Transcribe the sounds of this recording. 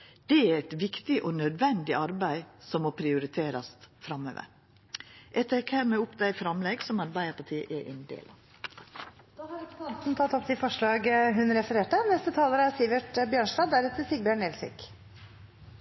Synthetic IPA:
d̪̥ɛæɾɛt̪ʋɪkt̪ɪʔɔnœd̪ʋɛnd̪ɪʔɑɾbæɪsɔmːɔpʰɾɪʊɾɪt̪ʰeːɾɑst̪fɾɑmø̰ːʋə̰ɾ | ʔɛt̪ʰɛkhæːɾmɛʊpːd̪æɪfɾɑmlɛɡsɔmɑɾbæɪəɾpɑʈʰiːə̰ʔɛɾʔɛ̰nd̪ḛːlʔɑ | d̪̥ɑːhɑɾɛkt̪ɑnt̪n̩t̪ʰɑt̪ːɔp̚t̪ʰɪlfɔʂɭɑːɡɦʉnɾɛfəɾeːʈənɛst̪ət̪ʰɑːləɾəæsiːʋəʈəbjøːɳʂʈɑːd̪æɾɛt̪ʰəsɪɡ̚bjøːɳɛlsɪ̰k

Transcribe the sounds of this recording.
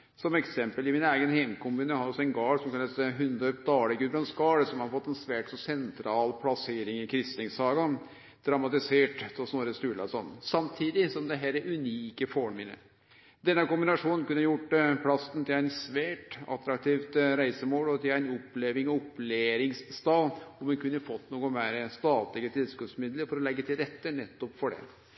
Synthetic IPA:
sɔmɛksɛmpəlɪmɪnæɪɡənheɪmkʰʊmʉːnəhɑd̪ɔsɔɛnɡɑːɽsɔmkɑnlːɑsɦʉnd̪œpd̪ɑːləɡʉbɾɑnsɡɑːɽəsɔmhɑɾfɔt̪ːɛnsʋæːʈsɔsɛnt̪ʰɾɑːlpʰlɑseːɾɪŋɪkʰɾɪst̪ɪŋsɑːɡɑ | d̪̥ɾɑmɑt̪ɪseːʈpʰɔsnoːɾəst̪ʉːɭɑ̰sɔnːsɑmt̪ʰiːd̪ɪsɔmd̪ɛɦæːɾɛʉniːkəfɔmɪnə̰ | d̪ɛnːəkʊmbɪnɑʂuːnənkʉnːəjʊʈːpʰlɑsnt̪ʰɪlæɪnsʋæːʈɑ̰t̪ːɾɑk̚t̪ʰiːft̪ɾæɪsəmoːlɔt̪ɪlæɪnɔpːleːʋɪŋɔpːleːɾɪŋsst̪ɑːɔmɛnkʉnːəfɔt̪ːnuːɡʊmæɪɾəst̪ɑːt̪lɪɡət̪ʰɪlskʉt̪smɪd̪ləɾfɔɾɔlɛɡːət̪ʰɪlɾɛt̪ːənɛt̪ːɔpfɔɖɛ̰

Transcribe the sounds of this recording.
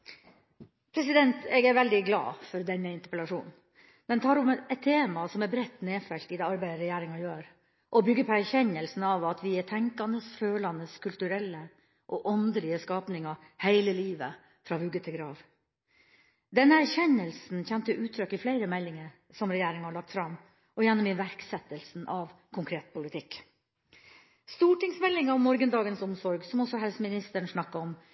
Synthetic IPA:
pʰɾɛsɪd̪ɛnt̪ɛɡæɾʋɛld̪ɪɡlɑ̰ːfɔɾd̪ɛnːəɪnt̪əɾpəlɑʂuːn | d̪ɛnt̪ʰɑːɾʊmɛt̪ʰːeːmɑsɔmɛbɾɛt̪ːneːfɛlt̪ɪd̪ɛːɑɾbæɪɾɛjæːɾɪŋɑjøːɾ | ʔɔbʏɡːəpʰɔæɾçɛnːəlsn̩ɑʋɑt̪ʰʋɪɛt̪ʰɛŋkɑnd̪əsføːlɑnəskʰʉlt̪ʉɾɛlːə | ʔɔʔɔnd̪əlɪəskɑːpnɪŋɑ | hæɪləliːʋə | fɾɑːhʉɡət̪ʰɪɡɾɑːʋ | d̪ɛnːəæɾçɛnːəlsn̩çɛnt̪əʔʉːt̪ʰɾœkːɪflæɪɾəmɛlːɪŋə | sɔmɾɛjæːɾɪŋhɑɭɑk̚t̪fɾɑm | ʔɔjɛnːɔmɪʋæɾksɛt̪əlsnʔɑʋ | kʰʊŋkʰɾeːt̪̚pʰʊlɪt̪ʰɪk | st̪uːʈɪŋsmɛlːɪŋɑʋmɔɾɡənd̪ɑːɡənsɔmsɔɾɡsɔmɔsɔhɛlsəmɪnɪst̪əɳʂɳɑkːɑɔm

